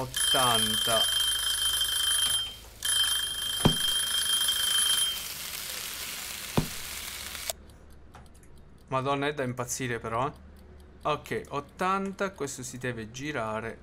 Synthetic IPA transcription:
ot̪ːant̪a | mad̪ɔnːaɛd̪ːaimpat̪sːiːɾepeɾɔ | ak̟ːeʔot̪ːant̪akwest̪ʊsid̪ɛːved͡ʒiɾaːɾe

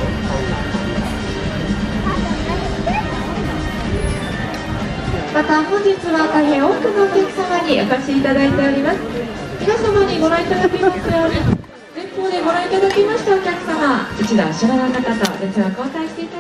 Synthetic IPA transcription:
mat̪ahõ̞ɲ̟d͡ʑit͡sɨβat̪aiɦẽ̞o̞ːkɯ̟naokʲakɯ̟̥samaɲ̟iokaɕiiːt̪ad̪ait̪e̞oɾʲimasɨ̥ | mʲinasamaɲ̟iɡo̞ɾãit̪ad̪akʲemaɕt̪ajoːɲi | zẽ̞mpoːd̪e̞ɡo̞ɾãit̪ad̪akʲimaɕi̥t̪ao̞kʲakɯ̟̥samait͡ɕid̪a̰ɕiɾanakat̪at̪a̰d̪et͡sɨβakoːsaiɕt̪e̞it̪a

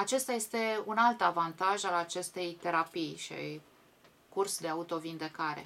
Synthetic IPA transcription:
at͡ʃe̞st̪aje̞st̪e̞unalt̪avant̪aʒalat͡ʃe̞st̪e̞jt̪e̞ɾapijʃia̰j | kursd̪e̞aut̪o̞vind̪e̞kaɾe̞̰

